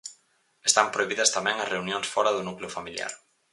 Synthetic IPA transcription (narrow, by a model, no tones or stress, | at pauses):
est̪ampɾoiβiðɐst̪amɛ̃ŋɐsreunjõŋsfɔɾɐðʊnukleʊfamilja̰ɾ